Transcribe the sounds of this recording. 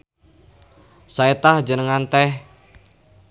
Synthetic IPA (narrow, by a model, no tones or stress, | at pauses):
saet̪ahd͡ʒənəŋant̪ɛh